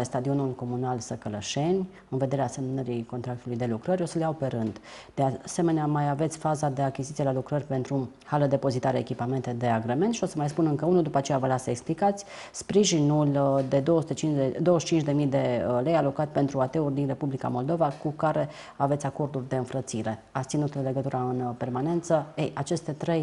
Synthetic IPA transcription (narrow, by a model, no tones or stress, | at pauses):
est̪ad̪io̞nulko̞munalsəkələʃe̞nʲ | ɨnve̞d̪e̞ɾeasemnnəɾiko̞nt̪ɾakt̪ulujd̪e̞lukɾəɾʲo̞səleaope̞ɾɨnd̪d̪̥ease̞me̞neamajave̞t̪sʲfazad̪e̞akʲizit̪ielalukɾərʲpe̞nt̪ɾuhaləd̪e̞po̞zit̪aɾeekʲipame̞nt̪e̞d̪e̞aɡɾeme̞nt̪ʃio̞səmajspunɨŋkəunuld̪upəat͡ʃejavəlasəeksplikat̪sʲ | spɾiʒinuld̪e̞d̪owəsut̪et͡ʃind̪o̞wəʃt͡ʃint͡ʃd̪e̞mijd̪e̞le̞jalo̞kat̪ʲpe̞nt̪ɾuat̪e̞urʲd̪inre̞publika̰mo̞ld̪o̞vakukaɾe̞ | ave̞t̪sʲako̞rd̪urʲd̪e̞ɨnfɾət̪siɾe̞at̪st̪inut̪lle̞ɡət̪uɾaɨnpe̞rmane̞nt̪səejʔat͡ʃe̞st̪e̞t̪ɾej